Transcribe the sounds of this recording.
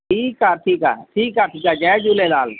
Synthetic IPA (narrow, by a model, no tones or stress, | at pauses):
ʈʰiːkaʈʰiːka̰ʈʰiːkaʈʰiːkad͡ʒɛd͡ʒulelaːl